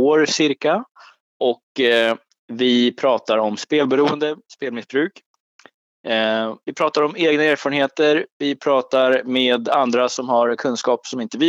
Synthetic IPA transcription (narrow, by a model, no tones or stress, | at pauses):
oːɾsɪɾka | ʔɔk | vɪpʰɾɑːt̪aɾɔmspeːlbɛɾuːənd̪əspeːlmɪsbɾʉ̟ːk | vɪpʰɾɑːt̪aɾɔmeːɡnaeːɾfɑːɾənheːt̪əɾvɪpʰɾɑːt̪aɾmeːd̪and̪ɾasɔmhaɾkʰɵnskɑːpsɔmɪnt̪əvi